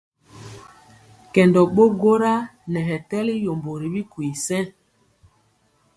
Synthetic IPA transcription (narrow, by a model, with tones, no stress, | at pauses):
kɛ˨ndɔ˨ɓo˦ɡo˦ɾa˦nɛ˨ɦɛ˨tɛ˦li˦jo˨mbo˨ɾi˨bi˦ku˨i˨sɛ̃˦